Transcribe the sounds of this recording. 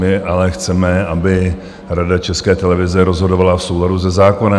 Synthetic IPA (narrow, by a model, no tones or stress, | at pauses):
ɪʔalɛxt͡sɛmɛabɪ | ɾadat͡ʃɛskɛːt̪ɛlɛvɪzɛɾo̞zɦo̞dovalafsowladuzɛzaːko̞na